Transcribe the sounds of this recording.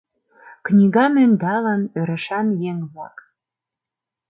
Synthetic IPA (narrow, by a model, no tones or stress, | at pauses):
knʲiɣɑmenʲd̪ɑlənøɾə̆ʃɑnjeŋβlɑ̰k